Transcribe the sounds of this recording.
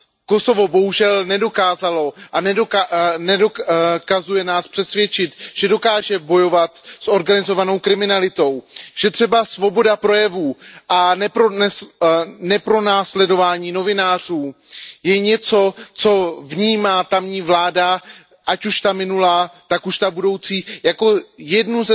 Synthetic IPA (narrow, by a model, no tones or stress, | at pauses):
ko̞so̞vo̞bo̞ɦuʒɛlnɛdo̞kaːzalo̞ʔanɛdonɛdokazujɛnaːspr̥ɛsvjɛt͡ʃɪt̪ʒ̥ɛdo̞kaːʒɛbo̞jo̞vat̪sʔo̞ɾɡanɪzo̞vano̞wkɾɪmɪnalɪt̪o̞wʒ̥ɛt̪r̥ɛbasvo̞bo̞dapɾo̞jɛvuːʔanɛponɛ | nɛpɾo̞naːslɛdo̞vaːɲiːno̞vɪnaːr̝uːjɛɲɛt͡so̞t͡so̞vɲiːmaːt̪amɲiːvlaːda | ʔacuʃt̪amɪnulaːt̪akuʃt̪abudo̞wt͡siːjako̞jɛdnuz